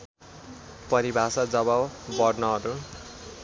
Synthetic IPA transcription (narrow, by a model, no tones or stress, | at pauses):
pʌɾibʱasʌd͡zʌbabbʌrnʌɦʌɾu